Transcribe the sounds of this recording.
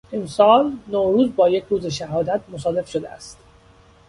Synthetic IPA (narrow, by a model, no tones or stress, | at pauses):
e̞msɒːlnoːɾuːzbɒːje̞cʰɾuːzeʃæhɒːd̪æt̪̚ʰmosɒːle̞fʃod̪eæ̰st̪